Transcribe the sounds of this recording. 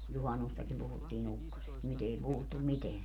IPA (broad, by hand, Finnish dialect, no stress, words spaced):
juhɑnːustɑkim puhutːiːn ukːosest nyt ei puhutːum miteæn